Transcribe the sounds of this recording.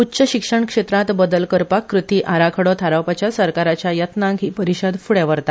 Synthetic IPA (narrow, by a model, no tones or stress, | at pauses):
utːɕəɕikʂəɳkʂet̪ɾãt̪bəd̪əlkəɾpakːɾut̪iːʔaɾakʰəɽɔt̪ʰaɾawpat͡ɕjasəɾkaɾat͡ɕjajət̪nãŋɡɦipəɾiɕəd̪fuɽɛʋəɾt̪a